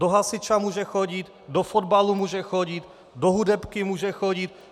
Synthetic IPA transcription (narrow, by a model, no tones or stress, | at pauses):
doɦasɪt͡ʃamuːʒɛxoɟɪt̪ | dofod̪balumuːʒɛxoɟɪt̪ | doɦudɛpkɪmuːʒɛxoɟɪt̪̚